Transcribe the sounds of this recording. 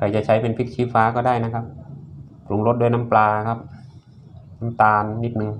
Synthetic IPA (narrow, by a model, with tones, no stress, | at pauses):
kʰa˨˧˩jt͡ɕa˧˩t͡ɕʰa˦˥jpe˨npʰi˦˥˩k̚t͡ɕʰiː˦˥faː˧˥kɔː˧˩daː˥˩jna˧˥kʰa˧˥p̚ | klu˨˩˦ŋlo˧t̪̚du˧˥˩jna˧˥mplaː˧kʰa˦˥p̚ | na˦˥mt̪aː˧nːi˦˥t̪̚nɯ˧ŋ